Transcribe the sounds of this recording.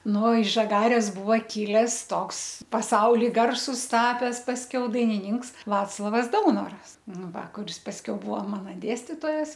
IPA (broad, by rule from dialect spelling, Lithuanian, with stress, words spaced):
ˈnʊ ɪʃ ʒɐˈɡɑːrʲeːs ˈbʊʋɐ ˈkʲɪlʲɛs ˈtoːks pɐˈsɐʊlʲɪ ˈɡɐrsʊs ˈtɑːpʲɛs pɐsʲˈkʲɛʊ dɐɪnʲɪˈnʲɪŋks ˈʋɑːt͡slˠoːʋɐs ˈdɐʊnoːrɐs ˈnʊ ˈʋɐ kʊˈrʲɪs pɐsʲˈkʲɛʊ ˈbʊʋoː ˈmɑːnɐ ˈdʲeːsʲtʲɪtoːjɛs